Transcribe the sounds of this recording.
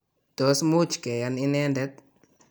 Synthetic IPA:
tɔ˨smu˦t͡ʃkɛ˨janɪ˦nɛ˦ndɛ˦t̪̚

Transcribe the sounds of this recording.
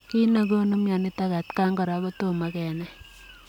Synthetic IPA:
ki˦nə˨ko˦no˦mja˨ni˦ta˦ka˨tka˦ŋɡɔ˨ɾa˨ko˦to˦ma˦kɛ˨nɛ˦

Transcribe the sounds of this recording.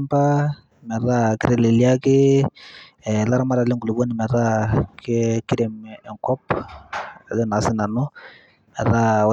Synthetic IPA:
mpa˦ | mɛ˨ɾa˦kɪ˦ɾɛ˨lɪ˨li˦a˦kɪ˦˨ | la˦ɾa˦ma˦ɾa˨lɛ˦ŋɡu˨lu˨bo˦nɪ˨mɛ˨ɾa˦kkɪ˦ɾe˨mɛ˨ŋkɔ˦p | a˨ðɛ˦˨na˨˦sɪ˦na˨nʊ˦ | mɛ˨ða˦w

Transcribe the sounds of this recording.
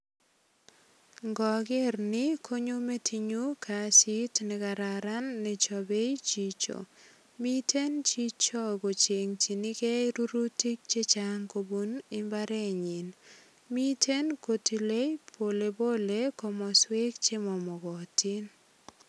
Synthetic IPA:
ŋɡɔ˨ɡɪ˦rnɪ˦kʰo˦ɲo˦me˦tʰi˨ɲu˦kʰa˨si˦tnɪ˨ka˨ɾa˨ɾa˦nːɪ˨t͡ʃɔ˨be˦jt͡ʃi˨t͡ʃo̰˨ | mi˦tʰe˦nt͡ʃi˦t͡ʃɔ˦ɡo˨t͡ʃe˨ŋt͡ʃi˨ni˦ke˦ɾu˦ɾu˦ti˦k̚t͡ʃe˦t͡ʃaŋko˨bu˨nɪ˦mba˦ɾe˦ɲɪ˨n | mi˦tʰe˦nko˨ti˨le˦jpʰo˨le˨bo˦le˦kɔ˨mɔ˨swe˦kt͡ʃe˦mɔ˨mɔ˨ɡɔ˨ti˦n

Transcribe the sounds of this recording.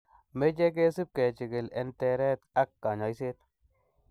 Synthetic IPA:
me˦d͡ʒe˦k̬e˦si˦p̚ke˨t͡ʃi˨ɡɪ˨le˨nt̪ɛ˨ɾɛ˦t̪a˦kːa˨ɲa˨jse˦t̪

